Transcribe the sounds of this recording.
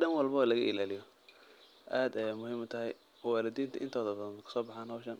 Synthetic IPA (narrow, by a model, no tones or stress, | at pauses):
ɖɐnwɑlbɐlɐɣɐʔɪ̰laːlɪjɔ | ʔaːd̪ɛmʊhiːmʊt̪ʰɐɦɛj | waːlɐd̪iːnt̪ʰɐʔɪ̰nt̪ʰɔːðɐbɐðɐnkʰʊ̥sɔːbɑħaːnɦɔwʃɐn